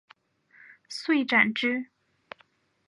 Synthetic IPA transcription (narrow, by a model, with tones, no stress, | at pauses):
swe˥˩ɪʈ͡ʂa˨˩nʈ͡ʂɻ̩˥